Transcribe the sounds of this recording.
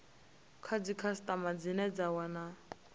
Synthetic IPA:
kʰad͡zikʰastʼamad͡zinɛd͡zawana

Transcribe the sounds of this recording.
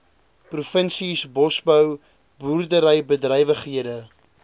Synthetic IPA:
prufənsisbɔsbəw | buːrdəɾəjbədrəjvəχɦiədə

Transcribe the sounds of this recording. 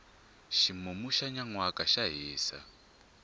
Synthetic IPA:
ʃimumuʃaɲaŋwakaʃaɦiːsa̰

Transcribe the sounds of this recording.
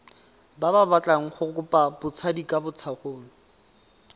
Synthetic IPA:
bababat͡ɬʼaŋ̩χʊkʊpʼabʊt͡sʰadikʼabʊt͡sʰaχoːlɔ

